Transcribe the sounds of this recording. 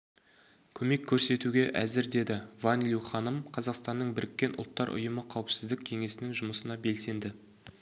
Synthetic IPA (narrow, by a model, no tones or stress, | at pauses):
kʲʰɵme̞kʲʰːɵɾse̞t̪uɡʲe̞ʔæzɪɾd̪e̞d̪ɪvɑnlʲuwχɑnəmqʰɑzɑqst̪ɑnːəɴbɪɾɪkʲːe̞nʔʊ̰lˠt̪ːɑɾʔʊ̰jəməqʰɑwəpsɪzd̪ɪk̚ʲkʲʰe̞ŋe̞sɪnɪŋʒʊməsənɑbe̞lse̞nd̪ɪ